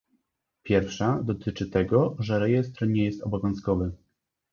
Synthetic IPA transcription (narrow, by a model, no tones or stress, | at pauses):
pʲjɛɾfʂad̪ɔt̪ɘt͡ʂɘt̪ɛɡɔʐɛɾɛjɛst̪ɾɲɛjɛst̪ɔbɔvʲjɔ̃w̃skɔvɘ